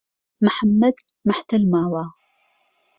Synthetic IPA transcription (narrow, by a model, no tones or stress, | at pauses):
mħamːad̪ | maħt̪almaːwaː